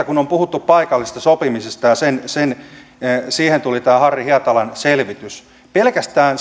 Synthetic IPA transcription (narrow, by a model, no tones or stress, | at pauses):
ɑkunompuhut̪ːuppɑikɑlːisest̪ɑsopimisest̪ɑjɑsensen | siːhent̪ulit̪æːhɑrjihiɑt̪ɑlɑnselʋit̪ys | pelkæst̪æːn